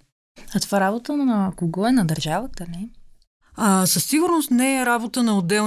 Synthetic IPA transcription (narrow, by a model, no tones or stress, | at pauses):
ɐt̪ov̥aɾabot̪ənɐkoɡɔɛnɐd̪ɐɾʒavət̪əlɛ | əsəsːiɡʊɾnost̪nɛɛɾabot̪ənɐod̪ɛl